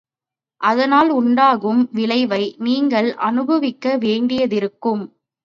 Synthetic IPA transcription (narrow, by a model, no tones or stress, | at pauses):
ʔɐðɐnaːlʊɳɖaːɣɯmʋɪlɐɪʋɐɪniːŋɡɐɭʔɐnɯbɐʋɪkːɐʋeːɳɖɪjɐðɪɾɯkːɯm